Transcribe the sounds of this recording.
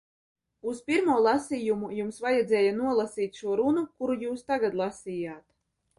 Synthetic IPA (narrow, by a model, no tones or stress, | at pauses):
uspʲiɾmuɔːlˠɑsiːjumujumsvajɛd̪zɛːjanuɔlˠasiːt̪ʲʃuɔɾunukuɾujuːst̪aɡad̪lˠasiːjaːt̪